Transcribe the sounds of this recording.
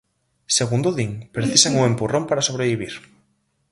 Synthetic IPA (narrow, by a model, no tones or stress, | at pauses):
seɣund̪oðiŋpɾeθisaŋuŋempurompaɾasoβɾeβiβ̞iɾ